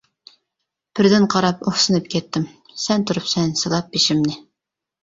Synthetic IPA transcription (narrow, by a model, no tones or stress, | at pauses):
b̥ɪɾd̪ɪnqʰɑɾɑpoχsɨnɨp̚kʲʰɛt̪ːɪm | sɛnt̪ʰʊɾupsɛnsɨlˠɑp̚ːeʃɪmnɪ